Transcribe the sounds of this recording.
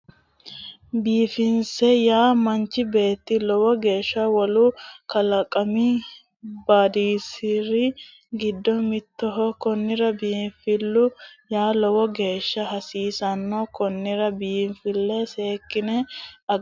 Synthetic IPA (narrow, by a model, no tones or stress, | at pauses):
biːfɪnsɛjaːmɐnt͡ʃːɪbe̞ːt̪ːɪlɔwɔɡe̞ːʃːɐwɔlʊkɐlɐkʼːɐmi | baːd̪iːsɪɾɪ | ɡɪd̪ːɔmɪt̪ːɔɦɔkɔnːɪɾɐbiːfɪlːʊjaːlɔwɔɡe̞ːʃːɐɦɐsiːsɐnːɔkɔnːɪɾɐbiːnfɪlːɛse̞ːkːɪnɛɐ